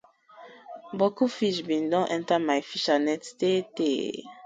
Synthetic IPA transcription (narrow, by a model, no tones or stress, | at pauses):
bokufiʃbĩndɔ̃ʔɛ̃ntamajfiʃanɛttete